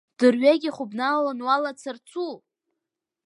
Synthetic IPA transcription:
d̥ɨrɥaɡʲiχʷʊbnalanwalat͡sʰɨrt͡sʰu

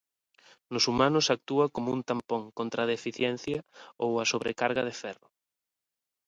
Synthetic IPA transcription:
nʊsumãnʊsak̚t̪uɐkomʊunt̪ampõŋkont̪ɾaðefiθjɛnθjɐowɐsoβɾekaɾɣɐð̞efɛrʊ

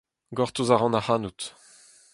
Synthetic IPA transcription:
ɡɔʁt̪uzaʁɑ̃nahanut̪

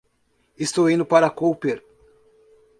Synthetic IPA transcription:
est̪owĩnd̪ʊpaɾɐkowpeɾ

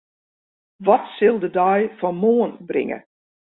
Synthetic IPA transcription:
ʋɔtsɪlˠdədɔjfɔnmoːənbrɪ̰ŋə̰

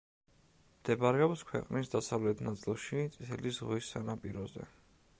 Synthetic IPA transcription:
md̪̥ɛbaɾɛɔpskʰwɛ̰qʼnisd̪asavlɛt̪ʰnat̪sʼilˠʃit̪sʼit̪ʰɛlisʁwisːanapʼiɾɔzɛ̰

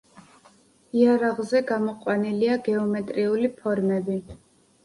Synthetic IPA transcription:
iaɾaʁzɛɡamɔqʼwaniliaɡɛɔmɛt̪ʼɾiulipʰɔɾmɛbi

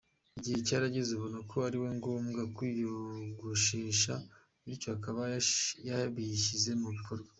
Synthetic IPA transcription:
iɟihe̞caɾaɟezuβonokʰoaɾiwe̞ŋɡo̞ːmɡakwijoɡuʃeːʃa | ɾicohakaβajaβiçize̞muβikʰo̞ɾɡwḁ

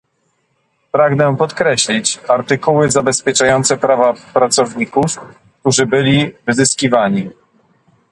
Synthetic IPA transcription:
pɾaɡnɛpɔt̪kɾɛɕlʲit͡ɕaɾt̪ɘkuwɘzabɛspʲjɛt͡ʂajɔnt̪sɛpɾavapɾat̪sɔvɲikufk̚t̪uʐɘbɘlʲivɘzɘskʲivaɲi

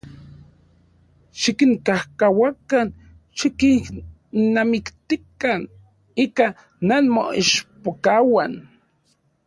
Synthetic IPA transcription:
ʃikiŋkahkawakan | ʃiki | nːamikt̪ikan | iːka | nanmo̰ḭʃpokawan

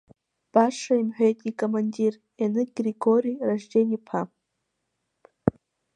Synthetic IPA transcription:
b̥aʂaimħʷᶣejtʼikʼomanʲdʲir | enɨɡriɡoɾiraʒdenʲipʰa

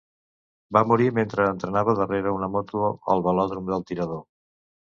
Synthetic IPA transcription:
bamuɾiment̪ɾəːnt̪ɾənaβəðəreɾəunəmɔt̪uoəlˠβəlɔðɾumd̪əlˠt̪iɾəðo

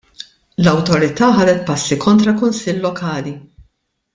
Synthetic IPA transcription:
lɐwt̪ɔɾɪt̪ɐːħɐːd̪ɛt̪̚pɐsːikʰɔnt̪ɾɐkʊnsɪlːɔkʰɐːli

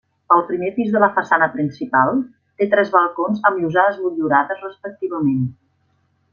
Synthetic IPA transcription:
əlˠpɾimepizðələfəsanəpɾinsipalˠ | t̪et̪ɾɛzβəlˠkonzəmuzaðəzmuʎuɾaðəzrəspək̚t̪iβəmen

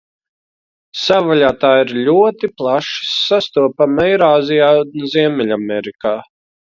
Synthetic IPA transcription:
savaʎʲaːt̪aːiɾlʲuɔt̪iplˠaʃsast̪uɔpamɛjɾaːzijaːziɛmɛlʲamɛɾikaː

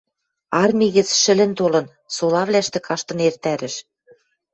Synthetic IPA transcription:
ɑrmʲiɣɘ̆t͡sʃɘ̆lɘ̆nt̪olɤ̆n | solɑβlæʃt̪ĕkʰɑʃt̪ɤ̆nert̪æɾɘ̆ʃ

